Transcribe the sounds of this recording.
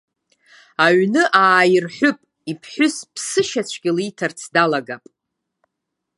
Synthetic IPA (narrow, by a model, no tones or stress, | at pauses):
aɥnɨʔaːjɪrħʷᶣʊpʼ | ipʰħʷʊspʰsɨʃat͡ɕʷʰɡʲɪlitʰart͡sʰdalaɡapʼ